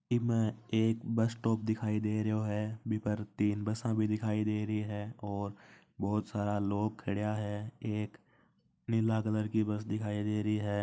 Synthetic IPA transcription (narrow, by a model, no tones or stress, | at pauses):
kimɛ̃eːkbəsʈɔːp̚d̪ɪkʰaːid̪eːɾəɦoɦɛːbʱipəɾt̪iːnbəsãbʱid̪ɪkʰaːid̪eːɾəiɦɛːɔːɾ | bɔːʊt̪saːɾaloːɡ̚kʰɐɽjaɦɛːeːk | nɪlaɡələɾkibɐsd̪ɪkʰaːid̪eːɾəɦiɦɛː